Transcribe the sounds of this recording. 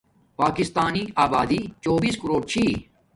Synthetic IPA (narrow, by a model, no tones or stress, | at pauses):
paːkɪst̪aːniːaːbaːd̪iːt͡ʃoːbiːskəɾoːɽt͡ʃʰiː